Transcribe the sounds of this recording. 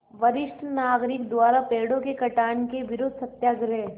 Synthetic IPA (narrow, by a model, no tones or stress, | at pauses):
ʋɐɾɪʃʈʰnaːɡɾɪkd̪ʊwaːɾapeːɽõkekɐʈaːɳkeʋɪɾoːd̪̚ʱsɐt̪jaːɡɾeː